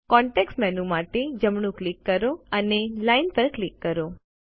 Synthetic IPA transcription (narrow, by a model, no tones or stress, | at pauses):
kɔ̃ɳʈeksʈmɛnũmaʈed͡ʒəmɳũklikːəɾoənelainpəɾklikːəɾo